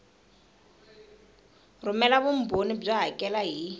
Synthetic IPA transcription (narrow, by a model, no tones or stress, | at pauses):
rʊmɛlabʊm̩bonib͡ʐaɦakʼɛlaɦi